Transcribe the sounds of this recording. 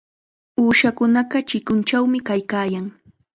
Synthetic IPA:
uːʃakʊnaɢɑt͡ʃɪkʊnt͡ʃawmɪkajkaːjaŋ

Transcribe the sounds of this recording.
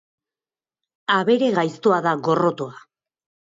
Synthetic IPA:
aβe̞ɾe̞ɣajst̪oaðaɣo̞ro̞t̪oa

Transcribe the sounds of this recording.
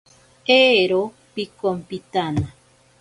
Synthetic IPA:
eɾo | pikompit̪ana

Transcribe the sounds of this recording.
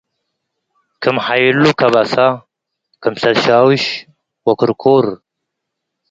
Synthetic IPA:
kʰɨmħajlukʰɐβasa | kʰɐmsɐlʃawɨʃ | wɐkʰɨɾkʰoɾ

